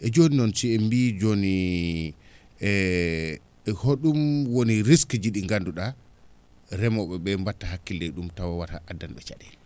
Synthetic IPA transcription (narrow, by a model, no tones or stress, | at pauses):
ʔɛd͡ʒoninɔnsiɛmbid͡ʒoni | ɛ | hoɗumwoniɾiskd͡ʒiɗiŋɡanduɗa | ɾɛmɔɓɛɓɛmbatːahakːildɛjɗumtawawata̰ʔadːanɓɛt͡ʃa̰ɗɛl